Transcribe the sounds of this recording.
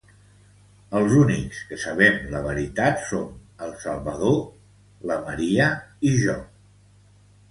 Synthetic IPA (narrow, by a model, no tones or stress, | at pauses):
əlˠzunikskəsəβɛmləβ̞əɾit̪at̪sonəlˠsəlˠβəðo | ləməɾiəiʒɔ